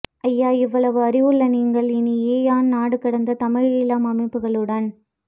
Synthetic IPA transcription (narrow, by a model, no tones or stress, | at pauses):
ʔɐjːaːɪʋːɐɭɐʋɯɐɾɪʋɯɭːɐniːŋɡɐɭɪnieːjaːnnaːɽɯkɪɽɐnd̪ɐt̪ɐmɪɻɪlaːmɐmɐɪpːɯɣɐɭɯɽɐn